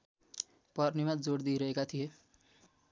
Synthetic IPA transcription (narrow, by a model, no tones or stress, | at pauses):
pʌɾnimad͡zoɽd̪iɾʌɦekat̪ʰije